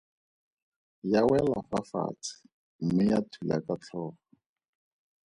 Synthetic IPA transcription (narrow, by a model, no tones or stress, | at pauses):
jawɛla̰fafa̰t͡sʰɪ̥ | m̩mɪjatʰula̰kat͡ɬʰɔːχɔ̥